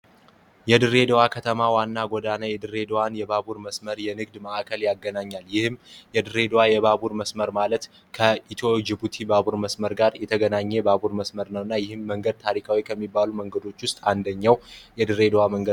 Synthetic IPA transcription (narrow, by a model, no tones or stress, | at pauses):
jɛd̪ɨɾe̞d̪əwakʰət̪ʰəmawanːaɡʷɔd̪anajɛd̪ɨɾe̞d̪əwanjɛbabuɾməsməɾjɛnɨɡd̪məʔakʰəljaɡːənaɲːaljɪhɨmjɛd̪ɨɾe̞d̪əwajɛβabuɾməsməɾmalət̪ | kʰəit̪ʰod͡ʒibut̪ʰibaβuɾməsməɾɡaɾjɛt̪ʰəɡənaɲːɛbabuɾməsməɾnəwɨnːajɪhɨmːəŋɡəd̪̚t̪ʰaɾikʰawikʰəmːibːaluməŋɡəd̪o̞t͡ʃːwʊst̪ʼand̪əɲːawjɛd̪ɨɾed̪əwaməŋɡə